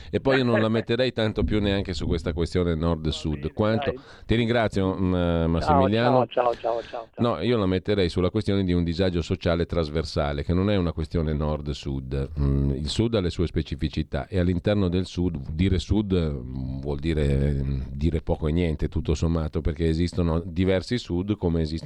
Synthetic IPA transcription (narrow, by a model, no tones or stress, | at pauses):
epːɔjionõnlamet̪ːeɾɛjt̪ant̪opjuneaŋkesukwest̪akwest̪joːnenɔrd̪sud̪kwant̪o | t̪iɾiŋɡɾat̪sjomassːimiljaːno | nɔiːolamet̪ːeɾɛjsulːakwest̪joːned̪iund̪izad͡ʒosot͡ʃaːlet̪ːɾazversaːlekenonɛunakwest̪joːnenɔrd̪sud̪ilsud̪alːesuːespet͡ʃifit͡ʃit̪a̰ʔealːint̪ɛrnod̪elsud̪d̪iːɾesud̪vwɔld̪iːɾed̪iːɾepɔːkoenjɛnt̪et̪ut̪ːosomːaːt̪operkeːzist̪onod̪ivɛrsisud̪komeːzis